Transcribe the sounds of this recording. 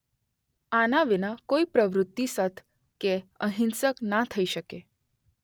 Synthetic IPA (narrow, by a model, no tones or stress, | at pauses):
anaʋinakoipɾəʋɾʊt̪ːisət̪ʰ | keəɦɪnsəknat̪ʰəiʃəke